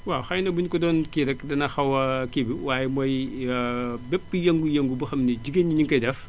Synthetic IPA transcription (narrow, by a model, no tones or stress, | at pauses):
waxɐjnɐbuɲkɔdɔːnkiɾɛkdɐnɐxɐwɐkibiwaːjɛmɔj | bɛpːəjɐŋɡujɐŋɡubɐxɐmniɟiɡeniɲiŋkɐjdɛf